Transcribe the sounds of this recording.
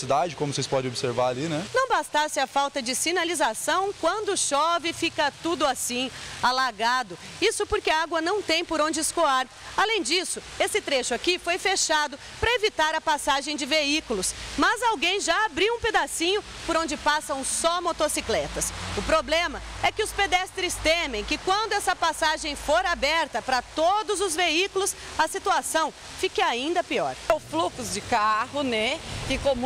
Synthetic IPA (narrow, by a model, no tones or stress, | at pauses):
sid̪ad͡ʒɪkõmʊsespɔdẽobɪseɾvaɾalinɛnɐ̃w̃bast̪asɪɐfawt̪ɐd͡ʒɪsinalizasɐ̃w̃kwɐ̃nd̪ʊʃɔvɪfikɐt̪ud̪ʊasĩalaɡad̪ʊ | isʊpoɾkɪɐaɡwɐnɐ̃w̃t̪ẽj̃poɾõd͡ʒɪːskoaɾ | alẽj̃d͡ʒisʊesɪt̪ɾeʃʊakifojfeʃad̪ʊ | pɾɐevit̪aɾɐpasaʒẽj̃d͡ʒɪveikʊlʊsmɐzawɡẽj̃ʒaːbɾiwũped̪asĩɲʊ | poɾõnd͡ʒɪpasɐ̃w̃sɔmot̪osiklɛt̪ɐsʊpɾoblẽmɐɛkɪʊsped̪ɛst̪ɾɪst̪ẽmẽj̃kɪkwɐ̃nd̪ʊɛsɐpasaʒẽj̃foɾabɛɾt̪ɐpɾɐt̪od̪ʊzʊzveikʊlʊsɐsit̪uasɐ̃w̃ | fikɐaĩnd̪ɐpiɔ̰ɾwflukʊzd͡ʒɪkahʊnɛkɪkom